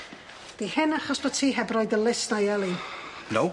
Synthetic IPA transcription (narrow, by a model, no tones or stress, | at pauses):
d̥ihɪnaχɔsb̥ɔtʰiːɦɛbrɔjdəlɪsnajɛlˠinow